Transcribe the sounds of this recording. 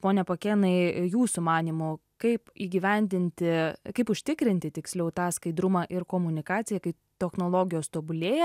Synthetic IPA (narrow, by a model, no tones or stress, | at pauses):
poːnʲɛpoːkʲeːnɐɪjuːsʊmɑːnʲiːmʊkɐɪpiːɡʲɪʋʲɛnʲd̪ʲɪnʲt̪ʲɪkɐɪpʊʃʲt̪ʲɪkɾʲɪnʲt̪ʲɪt̪ʲɪksʲlʲɛʊt̪ɑːskɐɪd̪ɾʊmɑʔɪɾkoːmʊnʲɪkɑːt̪sʲɪjɛkɐɪp | t̪ʲɛxnoːlˠoːɡʲɪjoːst̪oːbʊlʲeːjɛ